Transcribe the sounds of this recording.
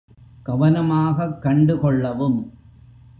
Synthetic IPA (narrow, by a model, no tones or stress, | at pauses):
ɡ̥ɐʋɐnɐmaːɣɐkːɐɳɖɯkɔɭːɐʋɯm